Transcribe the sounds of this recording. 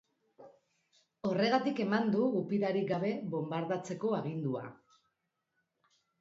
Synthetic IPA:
o̞re̞ɣat̪ike̞mand̪uːpiðaɾiɡaβ̞e̞βo̞mbaɾðat͡se̞ko̞aɣind̪ua̰

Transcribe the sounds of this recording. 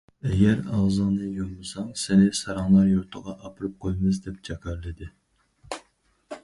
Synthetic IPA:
ɛɡʲɛɾɑʁzɨŋnɨjomɨsɑŋsɪnɪsɑɾɑŋlˠɑɾjoɾt̪ʰəʁɑʔɑpʰɨɾɨp̚qʰojmɨzd̪ɛp̚t͡ʃʰɑkʲʰɑɾlɨd̪ɪ

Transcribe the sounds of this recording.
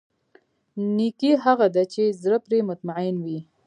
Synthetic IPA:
nikiɦaɣad̪at͡ʃezɾəpɾemʊt̪maʕɪnwi

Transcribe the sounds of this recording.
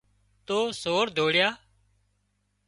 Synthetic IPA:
t̪oːsoːɽd̪ʱoːɽjaː

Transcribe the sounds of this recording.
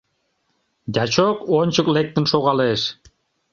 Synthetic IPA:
d̪ʲɑt͡ɕokonʲt͡ɕəklek̚t̪ənʃoɣɑleʃ

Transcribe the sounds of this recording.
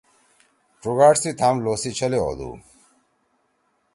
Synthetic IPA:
ʈ͡ʂuɡaʈsit̪ʰamlosit͡ɕʰɔlio̰d̪ṵ

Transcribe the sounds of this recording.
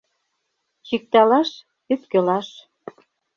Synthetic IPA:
t͡ɕik̚t̪ɑlɑʃ | yt̪kɘ̆lɑʃ

